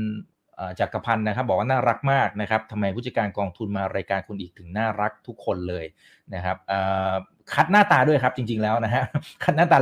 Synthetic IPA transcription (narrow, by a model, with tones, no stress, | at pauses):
n | ʔaː˨˩t͡ɕa˨˩kːa˧pʰa˧nːa˦˥kʰa˦˥p̚bɔː˨˩kwaː˥˩naː˥˩ɾa˦˥k̚maː˥˩k̚na˦˥kʰp̚t̪ʰa˧mːa˧jp̪̚ʰt͡ɕa˧kaː˧nkɔː˧ŋt̪ʰu˧nmaː˧ɾaː˧jkaː˧nkʰu˧nʔiː˨˩k̚t̪ʰɯ˩˦ŋnaː˥˩ɾa˦˥k̚t̪ʰu˦˥kʰːo˧nlɤː˧j | na˦˥kʰa˦˥p̚ʔəː˨˩ | kʰa˦˥t̪̚naː˥˩t̪aː˧du˥˩əjkʰa˦˥p̚t͡ɕi˧ŋt͡ɕi˧ŋlɛː˦˥wna˦˥kʰa˦˥ʔkʰa˦˥t̪̚naː˥˩t̪aː˧˩